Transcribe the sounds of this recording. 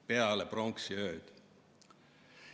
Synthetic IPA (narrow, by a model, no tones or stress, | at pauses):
peɑleproŋksiøːd̪̥